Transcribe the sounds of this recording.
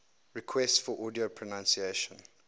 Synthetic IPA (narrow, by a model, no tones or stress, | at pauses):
ɹikʰwɛstfɔʔɔdiopʰɹɔnãnsieʃə̃n